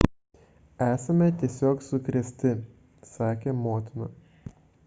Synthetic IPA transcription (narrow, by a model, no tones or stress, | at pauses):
æːsɐmʲɛt̪ʲiɛsʲoːksʊkɾʲɛsʲt̪ʲɪ | sɑːkʲeːmoːt̪ʲɪnʊ